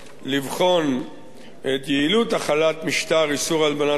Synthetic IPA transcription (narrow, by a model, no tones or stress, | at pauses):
livχo̞n | et̪jeilut̪aχalat̪miʃt̪aʁisuʁalbana